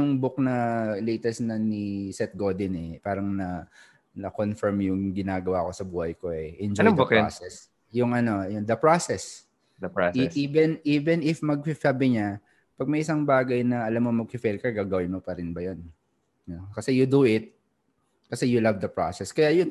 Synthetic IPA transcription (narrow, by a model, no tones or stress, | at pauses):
ʊŋbʊk̚nɐlejt̪ɛsnɐnisɛt̪̚ɡod̪ɪnɛpaːɾɐŋnɐ | nɐkonfɛɹmjʊŋɡɪnaːɡɐwako̞sɐbuːhɐjko̞ɛʔɪnd͡ʒod̪ʊka̰sɛs | jʊŋʔɐno̞jʊnd̪ɐpɹasɛs | d̪ɐpɹasʔiːvɛnʔiːvɛnɪfmɐɡ̚fɪfabɪɲa | pɐɡ̚mɐjʔɪsɐŋbaːɡɐjnɐɐlamːomɐɡ̚kɪfɛlkɐɡaːɡɐwɪnmopɐɾɪnbɐjon | nokɐsɛjʊd̪uʔɪt̪̚ | kɐsɛjʊlavd̪ɐpɹo̰sɛskɐjajʊn